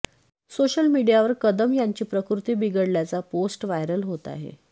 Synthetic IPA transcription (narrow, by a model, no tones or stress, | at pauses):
soɕəlmiɽijaʋəɾkəd̪əmjaɲt͡ɕiːpɾəkɾut̪iːbiɡəɽljat͡saposʈʋajɾəlɦot̪a̰ɦḛ